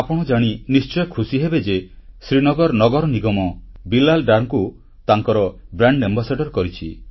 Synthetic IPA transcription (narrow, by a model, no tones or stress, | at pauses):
apɔɽ̃ɔd͡ʒaɽ̃inist͡ʃɔjɔkʰusiɦebed͡ʒesɾinɔɡɔɾnɔɡɔɾɔniɡɔmɔbilalɖaɾŋku | t̪aŋkɔɾɔbɾaɳɖembasaɖɔɾkɔɾit͡ʃʰi